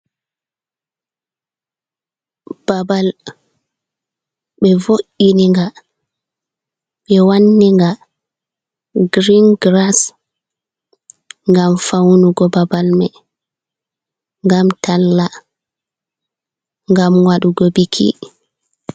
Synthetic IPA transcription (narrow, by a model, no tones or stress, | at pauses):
b̥abal | ɓɛvoʔiniŋɡa | ɓɛwanːiŋɡa | ɡɾinɡɾas | ŋɡamfawnuɡɔbabalmɛ | ŋɡamtʰalːa | ŋɡamwaɗuɡɔbikʰḭ